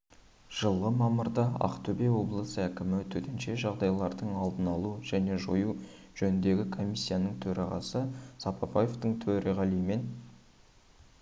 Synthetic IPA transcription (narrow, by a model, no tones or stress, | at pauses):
ʒ̥əlˠʁəmɑməɾd̪ɑɑ̰qt̪ʰɵbe̞wo̞blˠəsəækʲɪmɪt̪ʰɵt̪enʃe̞ʒɑʁd̪ɑjlˠɑɾd̪əɴɑlˠd̪ənɑlˠuʒæne̞ʒoju | ʒ̥ɵnɪnd̪e̞ɡʲɪkʰo̞mʲijsʲːijanəɴt̪ʰɵɾɑʁɑ̰səsɑpɑpɑjeft̪əɴt̪ʰɵɾɪʁɑlijme̞n